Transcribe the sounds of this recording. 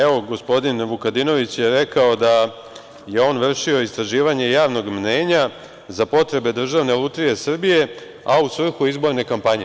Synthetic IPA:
eʋo̞ɡo̞spo̞d̪inʋukad̪ino̞ʋit͡ɕjeɾe̞kao̞d̪a | je̞o̞ːnʋr̩ʃio̞ist̪ɾaʒiːʋaɲe̞jaːʋno̞ɡmneːɲa | zapo̞t̪ɾe̞be̞d̪r̩ʒaʋne̞lˠut̪ɾije̞sr̩bije̞ | ausʋr̩xuizbo̞ɾne̞kampaɲe

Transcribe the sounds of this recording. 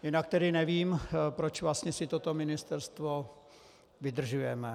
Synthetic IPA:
jɪnak̚t̪ɛdɪnɛviːmpɾot͡ʃvlast̪ɲɛsɪt̪ot̪omɪnɪst̪ɛɾst̪vo | vɪd̪r̩ʒujɛmɛ

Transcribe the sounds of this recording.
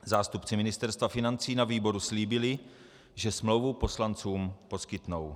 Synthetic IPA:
zaːst̪upt͡sɪmɪnɪst̪ɛɾst̪vafɪnant͡siːnaviːbo̞ɾusliːbɪlɪ | ʒɛsmlowvupo̞slant͡suːmpo̞skɪt̪now

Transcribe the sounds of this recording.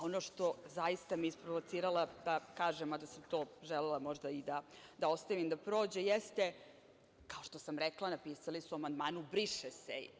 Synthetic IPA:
o̞no̞ʃt̪o̞zajist̪amiispɾoʋot̪siːɾalad̪akaːʒemad̪asamt̪oːʒɛlɛlˠamo̞ʒd̪aid̪ad̪ao̞st̪aʋimd̪apɾo̞ːd͡ʑejest̪e̞ | kaoʃt̪osamɾeklˠanapiːsalisuamand̪maːnubɾiʂesej

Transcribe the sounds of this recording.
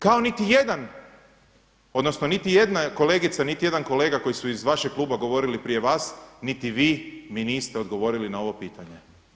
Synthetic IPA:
kao̞nit̪ije̞d̪an | o̞d̪no̞snonit̪ije̞d̪nako̞le̞ːɡit̪sanit̪ije̞d̪anko̞le̞ːɡako̞jisuizʋaʃeɡ̚klˠuːbaɡo̞ʋo̞ɾilipɾije̞ʋaːsnit̪iʋiːminiːst̪eo̞d̪ɡo̞ʋo̞ɾilinao̞ʋo̞piːt̪aɲe

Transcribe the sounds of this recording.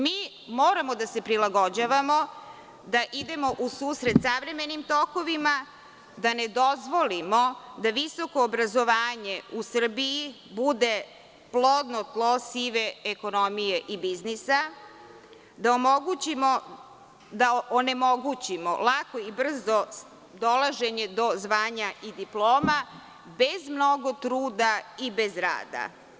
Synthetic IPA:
miː | moːɾamo̞d̪ase̞pɾilaɡo̞d͡ʑaːʋamo̞ | d̪aʔid̪e̞mo̞ʔusuːsɾe̞t̪saʋɾe̞me̞nimt̪oko̞ʋima | d̪ane̞d̪ozʋo̞limod̪aʋiso̞koːbɾazo̞ʋaːɲe̞usr̩bii | bud̪e | plˠod̪not̪lˠosiʋe̞eko̞no̞mije̞ʔibiznisa | d̪aomoɡut͡ɕimo | d̪aʔone̞mo̞ɡut͡ɕimo̰lˠakoibr̩zo | d̪olˠaʒe̞ɲe̞d̪ozʋaːɲaʔid̪iplˠo̞ːma | be̞zmno̞ɡo̞t̪ɾuːd̪aibe̞zɾa̰ːd̪a̰

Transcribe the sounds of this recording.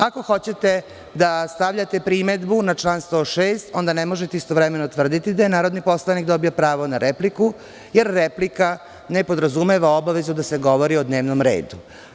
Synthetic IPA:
ako̞xo̞t͡ɕe̞t̪e̞ | d̪ast̪aʋʎat̪e̞pɾime̞d̪bunat͡ʃlaːnst̪o̞ːʃeːst̪o̞nd̪anemo̞ʒet̪eist̪o̞ʋɾemenot̪ʋr̩d̪it̪id̪ajenaːɾod̪nipo̞slˠanikd̪o̞biopɾaːʋonaɾepliku | jeɾːeplika | nepo̞d̪ɾazume̞ʋao̞baʋe̞zud̪aseɡo̞ʋo̞ɾio̞d̪ne̞ːʋnomɾḛːd̪u

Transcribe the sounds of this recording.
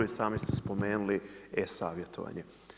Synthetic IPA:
isaːmist̪espo̞meːnuliesaːʋje̞t̪o̰ʋa̰ɲe

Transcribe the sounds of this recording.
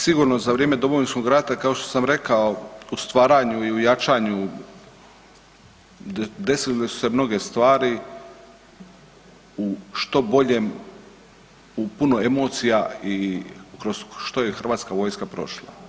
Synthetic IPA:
siɡuɾnozaʋɾijemed̪o̞mo̞ʋinsko̞ɡɾat̪akao̞ʃt̪o̥samɾe̞kaoust̪ʋaːɾaːɲuiujat͡ʃaːɲu | d̪e̞sillesu̥se̞mno̞ɡe̞st̪ʋaːɾi | uʃt̪o̞bo̞ʎe̞m | upunoemo̞ːt̪sijaikɾosʃt̪o̞je̞xɾr̩ʋaːt̪skaʋo̞ːjskapɾo̞̰ʃlˠa̰

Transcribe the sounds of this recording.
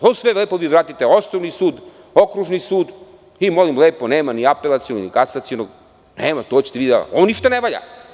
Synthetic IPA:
osʋeleːpoʋiʋɾaːt̪it̪eosnoʋnisuːd̪ | o̞kɾuʒnisuːd̪ | imolimleːponeːmaniapelat̪sijonoɡnikasat̪sijonoɡ | neːmat̪ot͡ɕe̥t̪eʋid̪ala̰ooniʃt̪aneʋaʎa̰

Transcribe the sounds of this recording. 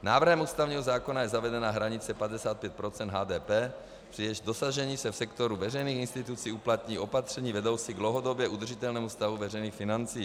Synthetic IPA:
naːvr̩ɦɛmuːst̪avɲiːɦozaːkonajɛzavɛdɛnaɦɾaɲɪt͡sɛpad̪ɛsaːt̪̚pjɛt̪̚pɾot͡sɛnd̪ɦaːd̪ɛːpɛː | pr̥ijɛʃd̪osaʒɛɲiːsɛfsɛkt̪oɾuvɛrɛjniːxinst̪it̪ut͡siːuplat̪ɲiːʔo̞pat̪r̝̥ɛɲiːvɛdowt͡siɡd̪lowɦod̪objɛʔud̪r̩ʒit̪ɛlnɛːmust̪avuvɛrɛjniːxfinant͡siː

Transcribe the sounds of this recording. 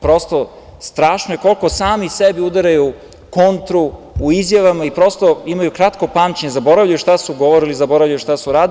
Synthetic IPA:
pɾo̞st̪o | st̪ɾaːʃnojeko̞lko̞saːmisebiud̪aɾaju | kont̪ɾuː | izjaʋamaipɾo̞st̪oimajukɾat̪ko̞pamt͡ɕeɲezabo̞ɾavʎajuʃt̪asuɡoʋoɾilizaboɾavlʎajuʃt̪asuɾaːd̪

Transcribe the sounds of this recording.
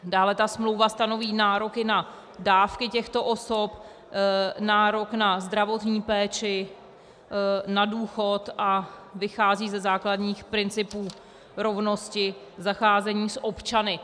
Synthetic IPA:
daːlɛt̪asmlo̞wvast̪ano̞viːnaːɾo̞kɪna | daːfkɪcɛxt̪o̞ʔo̞so̞p | naːɾo̞knazd̪ɾavo̞t̪ɲiːpɛːt͡ʃɪ | naduːxo̞t̪ʔavɪxaːziːzɛzaːkladɲiːxpɾɪnt͡sɪpuː | ɾo̞vno̞scɪ | zaxaːzɛɲiːsʔo̞pt͡ʃanɪ

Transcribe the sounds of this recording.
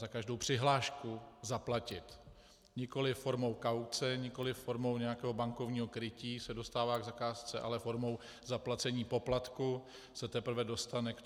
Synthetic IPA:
zakaʒdo̞wpr̝̥ɪɦlaːʃkuzaplacɪt̪ | ɲɪko̞lɪfːo̞ɾmo̞wkawt͡sɛɲɪko̞lɪfːo̞ɾmo̞wɲɛjakɛːɦobaŋko̞vɲiːɦo̞kɾɪciːsɛdo̞st̪aːvaːɡzakaːst͡sɛʔa̰lɛfo̞ɾmo̞w | zaplat͡sɛɲiːpo̞plat̪ku | sɛt̪ɛpɾ̩vɛdo̞st̪anɛk

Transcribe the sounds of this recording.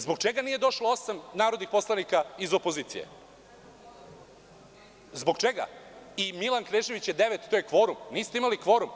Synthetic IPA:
zbo̞ɡt͡ʃeɡaniːje̞d̪o̞ʃloosamnaːɾod̪nixpo̞slˠanikaizo̞po̞ziːt̪sḭjḛ | zboɡt͡ʃeɡa̰imilˠankɾeːʒeʋit͡ɕjed̪eʋet̪t̪ːoːjekʋo̞ːɾumniːst̪eimalikʋo̞ɾum

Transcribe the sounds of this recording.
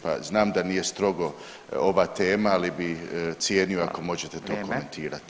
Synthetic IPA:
pa̰znaːmd̪aniːje̞st̪ɾo̞ɡo̞ | o̞ʋaːt̪e̞ːmaalibit̪sjeːnioako̞mo̞ʒet̪et̪o̞ːko̞me̞nt̪ʰiːɾat̪i̥

